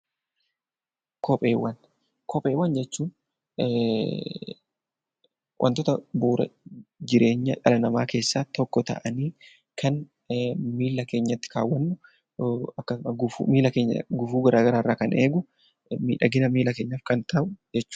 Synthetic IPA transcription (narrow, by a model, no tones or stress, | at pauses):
kʰɔpʼeːwːɐn | kʰɔpʼe̞ːwːɐnd͡ʒɛt͡ʃːuːn | wʔɐ̰nt̪ɔt̪ɐbuːɾɐ̰d͡ʒɪɾe̞ːɲːɐᶑɐlɐnɐma̰ːke̞ːsːaːt̪ɔkːɔt̪ɐ̰ʔɐniː | kʰɐn | miːlːɐke̞ːɲːɐt̪ːɪ̥ka̰ːwːɐnːʊ | ɐkːɐsmɐɡʊfṵmiːlɐkeːɲːɐ̰ɡʊfuːɡɐɾʔaːɡɐɾaːɪrːaːkɐnʔeːɡʊ | mḭːᶑɐɡɪnɐmiːlɐke̞ːɲːɐfkɐnt̪ɐʔʊd͡ʒɛt͡ʃːu̥ː